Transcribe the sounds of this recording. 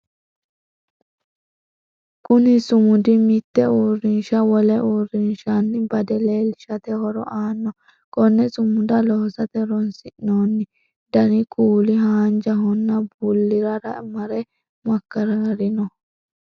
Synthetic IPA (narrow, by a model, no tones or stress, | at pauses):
kʼʊnɪsʊmʊd̪ɪmɪt̪ːɛuːrːɪnʃɐwɔlɛʔuːrːɪnʃanːɪbɐd̪ɛleːlɪʃɐt̪ɛhɔɾɔ̰ʔaːnːɔ | kʼɔnːɛsʊmːʊd̪ɐlɔhɔsɐt̪ɛɾɔnsɪʔnoːnːɪ | d̪ɐnɪkʼuːlɪɦaːnd͡ʒɐɦɔnːɐbʊlːɪɾɐɾɐ̰mɐɾɛ | mɐkːɐɾɐɾɪnɔ